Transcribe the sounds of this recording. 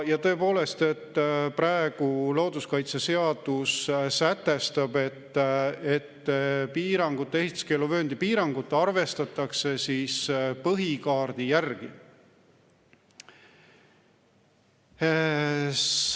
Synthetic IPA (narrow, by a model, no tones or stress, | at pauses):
jɑt̪ɤ̞e̞po̞ːle̞st̪e̞t̪ːpɾɑeɡ̥uloːd̪̥uskɑjt̪sese̞ɑd̪̥ussæt̪ːe̞st̪ɑbe̞t̪ːet̪ːpiːɾɑŋɡ̥ut̪ːe̞ɦit̪ːˑu̥ske̞lːuvø̞ːnd̪̥ipiːɾɑŋɡ̥ut̪ːɑrve̞st̪ɑt̪ːˑɑkse̞siːspɤɦikɑːrd̪̥ijærɡ̥i